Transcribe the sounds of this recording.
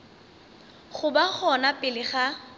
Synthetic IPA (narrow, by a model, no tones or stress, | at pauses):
χʊbaχɔnapʼɪlɪχa